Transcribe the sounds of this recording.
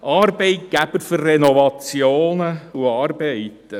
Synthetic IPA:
ʔɑːɾbeɪt̚ɡ̥æbəɾførːɛnɔvɑt͡sjoːnəuɑːɾbɛɪtə

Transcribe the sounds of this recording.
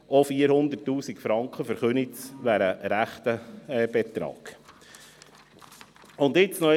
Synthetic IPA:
ofiəɾhʊnd̪ərtːuːsikfɾɑŋkχəfəɾχɵnisʋæɾəɾæχt̪əb̥et̪ɾɑ̰ːɡ̥ | ʊnd̪ɪt͡snɔ

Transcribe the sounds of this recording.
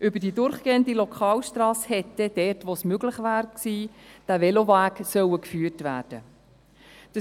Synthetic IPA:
ʔʏbədiːdʊɾχɡ̥eːəndilokʰɑːlʃtɾɑːshɛt̪ːɛd̥ɛrtʋosmøɡlɪχʋæːɾksiːd̥ævɛlovæːksœwəkfyːərtvæːd̥ə | d̥ə

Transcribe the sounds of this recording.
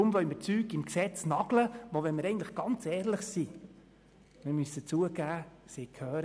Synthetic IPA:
ʊmʋœɥməɾt͡syːkɪmksɛt͡snɑɡ̥ləʋoʋɛnməɾɛɪŋntləχɡ̥ɑnt͡sɛːɾləχsi | mɪɾmysət͡suəɡæːseːkʰhœːɾ

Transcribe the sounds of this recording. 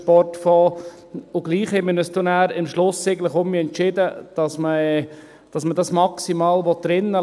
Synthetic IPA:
pɔrtfɔː | ʊɡ̥liːχhɛmənəst̪unæːɾɪmʃlʊsːeɪɡən̩tləχʊmmiɛntʃɪdəd̥ɑsməɛ | d̥ɑsmədɑsmɑksimɑːlʋɔt̚d̥ɾɪnːə

